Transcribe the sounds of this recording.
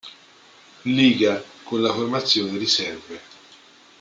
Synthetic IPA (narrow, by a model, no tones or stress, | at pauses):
liːɡakonlaformat̪sːjoːned̪eɾisɛrve